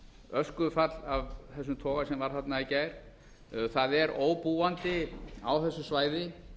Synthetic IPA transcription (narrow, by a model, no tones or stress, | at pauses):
œskʏfat̪lavθɛs̬ːʏmt̪ʰɔːɣasɛmvaɾ̥θat̪naicaːjɾ̥ | θaðɛɾoːwpuːant̪ɪa̰wθɛsːʏsvaːjðɪ